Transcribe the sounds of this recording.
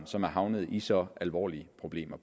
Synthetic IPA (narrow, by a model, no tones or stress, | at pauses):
nsɒ̽mæɐɦɑ̈ʊnəð̞̩ˠisɒ̽ʔælʋɒ̰ːliəpʰʁo̝b̥le̝̰ːmɐpʰ